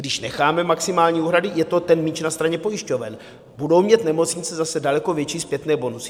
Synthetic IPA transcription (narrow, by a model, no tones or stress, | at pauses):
ɡdɪʃnɛxaːmɛmaksɪmaːlɲiːuːɦɾadɪjɛt̪o̞t̪ɛnmit͡ʃnast̪ɾaɲɛpo̞jɪʃco̞vɛ̰n | budo̞wmɲɛt̪nɛmo̞t͡sɲɪt͡sɛzasɛdalɛko̞vjɛt͡ʃiːspjɛt̪nɛːbo̞nusɪ̥